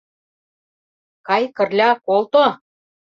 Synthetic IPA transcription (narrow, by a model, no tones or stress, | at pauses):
kɑjkə̆rlʲɑkolt̪o